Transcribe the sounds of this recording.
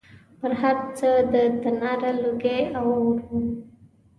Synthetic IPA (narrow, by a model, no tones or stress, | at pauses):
pəɾɦaɾt͡səd̪ət̪anɑɾaluɡeawawɾu